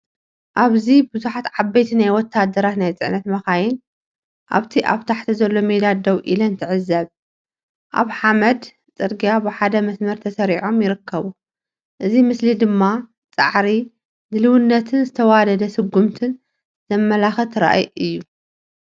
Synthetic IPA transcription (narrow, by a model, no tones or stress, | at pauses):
ʔaβzibɨzuħat̪ʕabːɐjt̪ʰinajwɔt̪ʰːad̪ːɐɾat̪najt͡sʼɨ̰ʕnɐt̪mɐxajɪn | ʔa̰βt̪ʰiʔa̰βt̪ʰaħt̪ʰizɐlːo̞med̪ad̪ɐwʔilɐnt̪ʰɨʕɨzːɐβ | ʔa̰βħamɐd̪ | t͡sʼɨɾɡijabɨħad̪ɐmɐsmɐɾt̪ʰɐsɐɾiʕo̞mjɪɾɨkʰːɐβu | ʔɨzimɨslid̪ɨmːa | t͡sʼa̰ʕɾi | d̪ɨlɨwɨnːɐt̪ʰɨnzɨt̪ʰɐwad̪ɐd̪ɐsɨɡːumt̪ʰɨn | zɐmːɐlaxɐt̪ʰɨɾa̰ʔjʔɨjːu